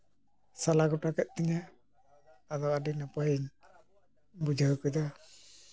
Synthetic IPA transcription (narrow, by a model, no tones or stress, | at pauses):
salaɡɔʈakɛt̪̚ˀt̪iɲaː | d̪ɔwaɖinapajiɲ | bud͡ʒʱakɔjd̪a